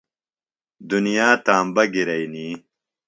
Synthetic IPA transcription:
d̪unijaːt̪aːmbɐɡiɾɐjniː

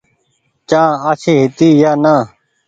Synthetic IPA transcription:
t͡ʃãːaːt͡ʃʰeːɦɪt̪iːjaːnaː

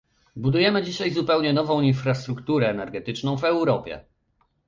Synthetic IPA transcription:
bud̪ujɛmɘd͡ʑiɕajzupɛwɲɛnɔvɔ̃w̃infɾast̪ɾukt̪uɾɛːnɛɾɡɛt̪ɘt͡ʂnɔ̃w̃vɛwɾɔpʲjɛ̰

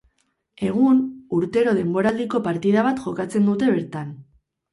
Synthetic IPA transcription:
e̞ɣ̞unuɾt̪e̞ɾo̞ð̞e̞mbo̞ɾald̪iko̞paɾt̪ið̞aβ̞at̪ʝo̞kat͡se̞nd̪ut̪e̞βe̞ɾt̪an

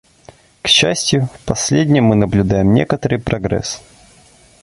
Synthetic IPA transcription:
kɕːæsʲtʲjʊfpɐsʲlʲedʲnʲɪjmːɨnəblʲʉd̪ajɪmnʲe̞kət̪əɾɨjpɾɐɡɾɛ̰s

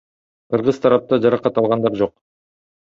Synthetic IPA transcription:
qʰɯɾʁɯz̥t̪ʰɑɾɑp̚t̪ɑd͡ʒɑɾɑqɑt̪ɑlˠʁɑnd̪ɑɾd͡ʒo̞q̚

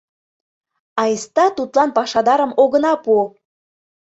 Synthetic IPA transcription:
ɑjəst̪ɑt̪ut̪lɑnpɑʃɑd̪ɑɾəmoɣənɑpu

